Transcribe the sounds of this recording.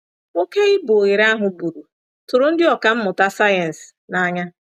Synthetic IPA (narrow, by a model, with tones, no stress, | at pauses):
o˦ke˦ɪ˦bo˨ɣe˨ɾa˦ɦʊ˨bu˨ɾu˨ | tʊ˨ɾʊ˨n̩˦dɪ˦ɔ˨ka˨m̩˦mʊ˨ta˦sa˦jɛ˨n̩˨sna˦ɲa˦